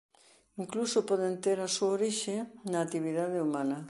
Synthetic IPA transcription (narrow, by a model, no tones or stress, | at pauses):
iŋklusopɔð̞ent̪eɾɐsuaoɾiʃenaːt̪iβiðaðeumãnɐ